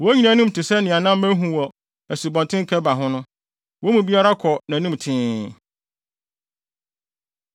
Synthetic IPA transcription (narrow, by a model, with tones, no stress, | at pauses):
wɔ˨˦ɲĩ˨nãæ̃˨˦nʊ̃˦m˨tɪ˨sɛ˦nɪ̃˨a˨nã˦m˦mæ˦ɦũ˨wɔ˨ | æ˨su˨bɔ̃˨ntʰɪ̃˦ŋ˦kʰɛ˦ba˨ɦʊ̃˦nʊ̃˦ | wo˦mũ˨bi˦a˦ɾa˦kʰɔ˨nã˨˦nũ˦m˨tʰɪ̃˦